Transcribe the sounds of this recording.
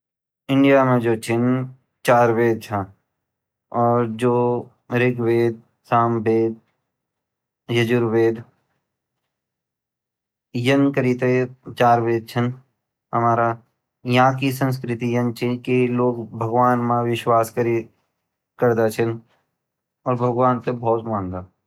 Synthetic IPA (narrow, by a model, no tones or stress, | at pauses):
ɪ̃ɳɖijamẽd͡ʒoːt͡ʃʰɪn | t͡ʃaːɾʋeːd̪̚t͡ʃʰã | ɔːɾd͡ʒoː | ɾɪɡʋeːd̪̚ | saːmbeːd̪̚ | jəd͡ʒʊɾʋeːd̪ | jənkəɾit̪et͡ʃaːɾʋeːd̪̚t͡ʃʰən | ɦəmaːɾa | jɐɦãkisə̃ns̬kɾɪt̪ijənt͡ʃʰikiloːɡbʱəɡʋaːnmãʋɪʃwaːskəɾi | kəɾd̪at͡ʃʰən | ɔːɾbʱəɡwaːnt̪ebʱɔːt̪mãːnd̪aː